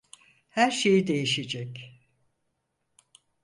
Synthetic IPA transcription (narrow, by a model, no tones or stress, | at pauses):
hæɾʃe̞jid̪e̞jiʃed͡ʒɛc